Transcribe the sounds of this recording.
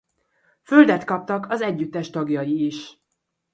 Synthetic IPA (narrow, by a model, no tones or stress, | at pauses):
føld̪ɛt̪kɒp̚t̪ɒkɒzɛɟːyt̪ːɛʃt̪ɒɡjɒjiːʃ